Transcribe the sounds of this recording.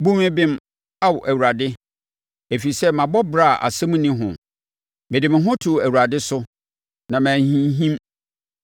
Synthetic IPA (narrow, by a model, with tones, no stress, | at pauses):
bũ˦mɪ̃˦bɪ̃˦m | a˦wɔ˨ʔæ˨wu˨ɾa˨dɪ˦ | e˨fi˨sɛ˦mã˨bɔ˦bɾa˦˨ʔa̰˨sɛ˦mũ˦nĩ˦ɦʊ̃˨ | mɪ̃˨dɪ˨mɪ̃˨ɦʊ̃˦tʰu˨æ˨wu˨ɾa˨dɪ˦sʊ˦ | nã˨mæ̃ː˨hĩ˦ɦĩ˦m